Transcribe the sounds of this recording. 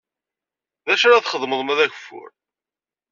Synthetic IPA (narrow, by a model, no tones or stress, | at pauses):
ðæʃæɾæθχəðˤməðˤmæðæʝə̥fːʊ̰ɾ